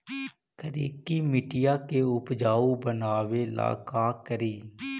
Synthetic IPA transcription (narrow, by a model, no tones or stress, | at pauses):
kəɾiːkiːmɪʈɪjaːkeʊpd͡ʒaːuːbənaːʋeːla̰ːkaːkəɾiː